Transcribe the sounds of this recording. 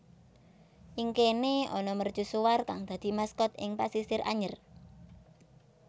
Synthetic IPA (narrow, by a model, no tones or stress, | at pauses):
ʔiŋkeneɔ̰nɔmərd̥ʒ̥ṳsuwarkaŋd̪̥a̤d̪̥i̤maskɔt̪̚ɪ̰ŋpa̰sisɪrʔa̰ɲər